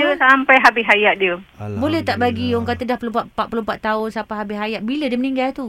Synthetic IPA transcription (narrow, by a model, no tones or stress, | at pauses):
əsampajɦabɪɦajaʔ̪̚diəbolɛht̪aʔbaɡioŋkat̪ədahpəlumpaʔpaʔ̪̚pəlumpaʔt̪aʊnsapaɦabɪɦajaʔ̚bilədiməniŋɡalt̪u